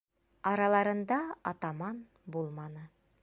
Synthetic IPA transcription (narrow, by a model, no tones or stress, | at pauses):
ɑɾɑlˠɑɾɤ̆nd̪ɑɑt̪ɑmɑn | bulˠmɑnɤ